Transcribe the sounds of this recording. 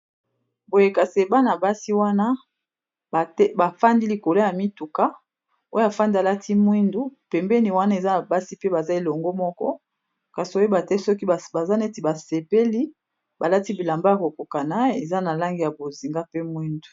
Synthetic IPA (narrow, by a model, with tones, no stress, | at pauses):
bo˨je˨ka˨se˨ba˦na˨ba˦si˦wa˦na˦˨˦ | ba˨fa˦ndi˦li˨ko˨lo˦ja˨mi˦tu˨ka˦ | o˦ja˨fa˦ndi˦a˨la˦tʰi˦mwi˦ndu˦pɛ˨mbɛ˦ni˨wa˦na˦e˨za˦na˨ba˦si˦pe˦ba˨za˦e˨lo˨ŋɡo˦mɔ˦kɔ̰˦ | ka˨si˨o˦e˦ba˨tɛ˦sɔ˦ki˦˨ba˨za˦ne˦ti˨ba˨se˨pe˦li˦ | ba˨la˦ti˦bi˨la˨mba˦a˨ko˨ko˨ka˨na˦e˨za˦na˨la˦ŋɡi˨ja˨bo˨zi˨ŋɡa˦pe˦mwi˦ndu̥˨